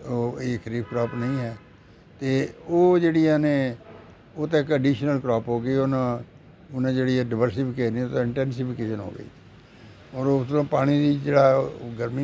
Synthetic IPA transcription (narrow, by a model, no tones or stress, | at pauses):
oːeːkʰəɾiːpkɾɔːpnəĩːɦɛː | t̪eːoːd͡ʒeːɽiaːneː | oːt̪ːkəɖiːʃnəlkɾɔːpɦoːɡəiːonãː | ʊnãːd͡ʒeːɽiːɛːɖəʋəɾsiːpʰɪkeːʃniːoːt̪aɪɳʈɛːnsiːpʰɪkeːʃənɦo̰ːɡə̰ḭː | ɔːɾosãːpaːɽ̃iːd̪iːd͡ʒeːɽaːɡəɾmiː